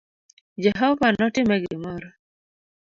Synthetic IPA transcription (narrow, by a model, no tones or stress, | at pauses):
d͡ʒɛɦɔvanɔtɪmɛɡɪmɔɾɔ